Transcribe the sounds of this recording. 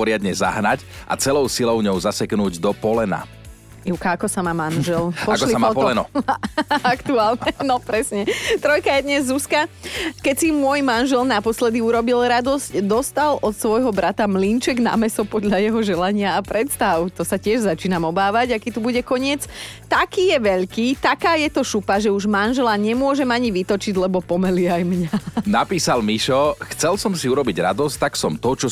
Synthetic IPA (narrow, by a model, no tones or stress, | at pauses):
pɔɾɪad̪ɲɛza̰ɦnacʔa̰t͡sɛlɔʊsilɔʊɲɔʊzasɛknuːɟd̪ɔpɔlɛna̰ | jukaakɔsamaːmanʒɛlpɔaʃkɔlisamːpɔlɛnɔ | akt̪uaːlɲɛnɔpɾɛsɲɛt̪ɾɔjkajɛd̪ɲɛzːuskakɛcsimʊɔjmanʒɛlnapɔslɛd̪iuɾɔbilɾad̪ɔzcd̪ɔst̪alʔɔt̪sʋɔjɦɔbɾat̪amlint͡ʃɛɡna̰mɛsɔpɔd̪ʎajɛɦɔʒɛlaɲɪaːpɾɛt̪st̪aʊt̪ɔsacɪɛʒzat͡ʃiːnamɔbaːʋaɟakiːt̪ubuɟɛkɔɲɪɛt͡s | t̪akiːjɛʋɛʎkiːt̪akaːjɛt̪ɔʃupaʒɛuʒmanʒɛlaɲɛmʊɔʒɛmaɲiʋit̪ɔt͡ʃiɟlɛbɔpɔmɛliajmɲanapiːsalmiʃɔxt͡sɛlsɔmsiuɾɔbiɟɾa̰d̪ɔsct̪aksɔmt̪ɔt͡ʃɔ